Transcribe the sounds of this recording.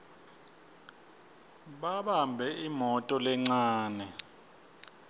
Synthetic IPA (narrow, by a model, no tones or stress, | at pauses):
ɓaɓambʱɛimɔtʼɔlɛŋ͡ǀaːnɛ